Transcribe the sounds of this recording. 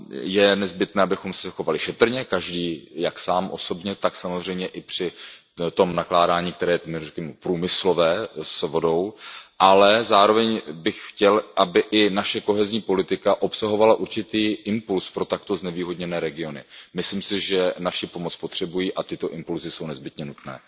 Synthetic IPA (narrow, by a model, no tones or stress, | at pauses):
jɛnɛzbɪt̪nɛːʔabɪxo̞msɛxo̞valɪʃɛt̪r̩ɲɛkaʒdiːjaksaːmʔo̞̰so̞bɲɛt̪aksamozr̝ɛjmɲɛʔɪpr̝̥ɪ | t̪o̞mnaklaːdaːɲiːk̚t̪ɛɾɛːjɛmɛrɛkɛmɛpɾuːmɪslo̞vɛːsvo̞do̞wʔalɛzaːɾo̞vɛɲbɪxxcɛlʔabɪʔɪnaʃɛko̞ɦɛzɲiːpo̞lɪt̪ɪkaʔo̞psaɦo̞valaʔuɾt͡ʃɪt̪iːʔɪmpulspɾo̞t̪akt̪o̞znɛviːɦo̞dɲɛnɛːɾɛɡɪo̞nɪmɪsliːmsɪʒɛnaʃɪpo̞mot͡spot̪r̝̥ɛbujiːʔat̪ɪt̪o̞ʔɪmpulzɪso̞wnɛzbɪt̪ɲɛnut̪nɛ̰ː